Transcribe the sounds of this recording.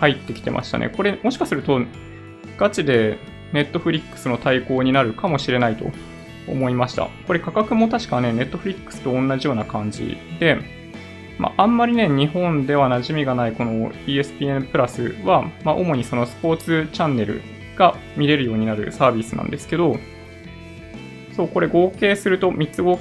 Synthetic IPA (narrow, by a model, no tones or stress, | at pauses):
hait̪ːe̞kʲi̥t̪e̞̰mʔa̰ɕi̥t̪a̰nʔḛko̞ɾe̞mo̞ɕi̥kasɨɾɯ̟t̪o̞ | ɡ̥at͡ɕid̪e̞ | ne̞t̪ːo̞ɸ̟ɾʲikːɯ̥sɨno̞t̪aiko̞ːɲ̟inaɾɯ̟kamo̞ɕiɾe̞nait̪o̞̰ | o̰mo̞imaɕi̥t̪a̰ko̞ɾe̞kakakɯ̟mo̞t̪aɕi̥kane̞ne̞t̪ːo̞ɸ̟ɾʲikːɯ̥sɨ̥t̪o̞õ̞nːaʑijo̞ːnakãɲ̟d͡ʑḭd̪e̞ | ma̰ʔãmːaɾʲine̞ɲ̟iɦõ̞nd̪e̞β̞anaʑimʲiɡanaiko̞no̞iːe̞sɨ̥pʲiːẽpɯ̟ɾasɨβamaʔo̞mo̞ɲ̟iso̞no̞sɨ̥po̞ːt͡sɨt͡ɕãnːe̞ɾɯ̟̰ | ɡ̥amʲiɾe̞ɾɯ̟joːɲ̟inaɾɯ̟̰saːbʲisɨnã̰nd̪e̞sɨ̥ke̞d̪o̞ | so̞ːko̞ɾe̞ɡo̞ːke̞ːsɨɾɯ̟t̪o̞mʲitt͡sɨɡo̞ː